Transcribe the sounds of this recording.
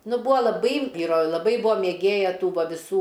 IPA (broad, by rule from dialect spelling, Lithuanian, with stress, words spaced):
ˈnʊ ˈbuːɐ lˠɐˈbɐɪ ˈʋʲiːroː lˠɐˈbɐɪ ˈbʊʋoː mʲeːˈɡʲeːjɛ ˈtuː ˈʋɐ ʋʲɪˈsuː